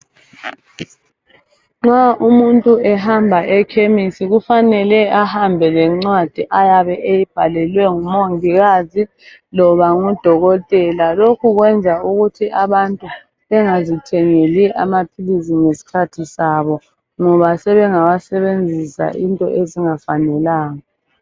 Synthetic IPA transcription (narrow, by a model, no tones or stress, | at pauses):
ŋ͡ǁaʔumuntʼuɛɦambʱaʔɛkʰemisiɣufanɛlɛahambʱɛlɛŋ͡ǀwad̥ʱiʔajaβɛʔejib̥ʱalɛlwɛŋumoŋiɣazi | lɔβaŋud̥ʱɔɣɔtʼɛlalokʰuɣwɛnd͡zʱauɣutʰiaβantʼu | βɛŋazitʰɛŋeliʔa̰mapʰilisiŋesi̥kʰatʰisaβɔ | ŋɔβasɛβɛŋawasɛβend͡zʱisa̰ʔintʼɔ̰ʔeziŋafanɛlaːŋa